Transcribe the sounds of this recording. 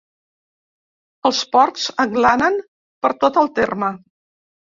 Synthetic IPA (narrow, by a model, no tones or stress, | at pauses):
əlˠspɔɾt͡səŋɡlanən | pəɾt̪ot̪əlˠt̪ermə